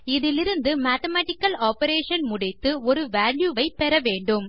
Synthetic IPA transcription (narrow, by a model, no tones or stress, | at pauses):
ɪðɪlɪɾɯnd̪ɯmaːt̪ɐmaːʈɪkːɐlaːpɐɾeːʂɐnmʊɽɪt̪ːɯɔɾɯʋaːljuːʋɐɪpɛɾɐʋeːɳɖɯm